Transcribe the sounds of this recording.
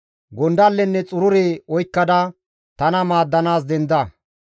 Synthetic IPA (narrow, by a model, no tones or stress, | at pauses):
ɡɔnd̪ɐlːɛnːɛt͡sʼʊɾʊɾeɔjkːɐd̪ɐ | t̪ɐnɐmaːd̪ːɐnaːsd̪ɛnd̪ɐ